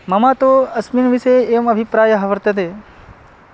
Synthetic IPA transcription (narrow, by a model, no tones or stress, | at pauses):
mɐmat̪oɐsminʋiʃeemɐbʱipɾaːjəɦɐʋəɾt̪ɐt̪e